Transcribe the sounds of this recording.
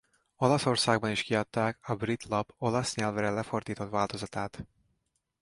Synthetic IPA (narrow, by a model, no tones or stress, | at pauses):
o̞lɒso̞rsaːɡ̚bɒniʃkiɒt̪ːaːkɒbrit̪lɒbo̞lɒsɲɛlvɾɛlɛfo̞rd̪iːt̪o̞t̪ʋaːlt̪o̞zɒt̪aːt̪